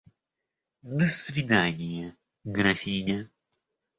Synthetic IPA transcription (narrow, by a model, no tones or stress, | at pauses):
d̪əsvʲɪd̪anʲɪjə | ɡɾɐfʲinʲə